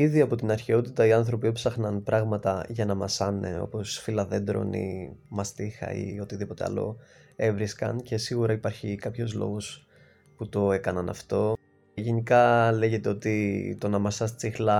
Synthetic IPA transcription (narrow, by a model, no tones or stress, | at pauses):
iðiɐpo̞t̪inɐɾçeo̞t̪it̪ɐiɐnθɾo̞piopsɐxnɐnpɾɐɣmɐt̪ɐʝɐnɐmɐsɐnḛo̞̰po̞sfilɐðe̞nd̪ɾo̰nḭmɐst̪ixɐ̰ḭo̞t̪iðipo̞t̪e̞ɐ̰lo̞̰e̞vɾiskɐ̰nce̞siɣuɾɐipɐɾçikɐpço̞zlo̞̰ɣo̞s | put̪o̞e̞kɐnɐnɐ̰ft̪o̞ | ʝe̞nikɐle̞ʝe̞t̪eo̞t̪it̪onɐmɐsɐst͡sixlɐ